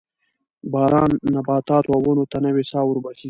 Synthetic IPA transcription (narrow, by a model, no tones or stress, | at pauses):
baːɾɑːnːɐbaːt̪aːt̪wawonot̪ɐnɐwesaːwuɾbɐsi